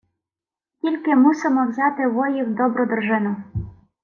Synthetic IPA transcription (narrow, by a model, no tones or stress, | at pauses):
tʲilʲkemusemɔwzɑt̪ɪβojiwd̪ɔbɾɔd̪̆rʒenu